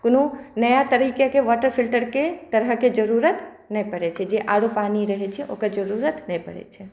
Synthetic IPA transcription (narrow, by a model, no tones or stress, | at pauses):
konunəjat̪əɾikakeʋɔʈəɾpʰilʈəɾket̪əɾɦəked͡ʒəɾuɾət̪ | nəpəɽɛt͡ʃʰɛd͡ʒeʔaɽopaniɾəɦɛt͡ʃʰɛʔo̰kəɾd͡ʒəɾuɾət̪nəjpə̰ɽɛ̰t͡ʃʰɛ